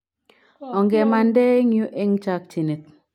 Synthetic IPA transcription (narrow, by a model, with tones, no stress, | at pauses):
ɔ˨ŋɡɛ˨ma˨ndɛ˦ŋjo˦ʔe˦ŋt͡ʃa˦k̚t͡ʃi˨ni˨t̚